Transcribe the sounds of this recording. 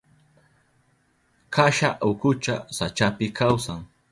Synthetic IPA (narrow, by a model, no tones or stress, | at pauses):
kʰaʃaʔʊkʊt͡ʃasat͡ʃapɪkawsaŋ